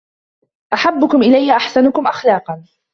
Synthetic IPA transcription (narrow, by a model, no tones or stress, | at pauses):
ʔaħabːʊkʊmʔɪlajhɪʔaħsanʊkʊmʔaxlɑːqɑn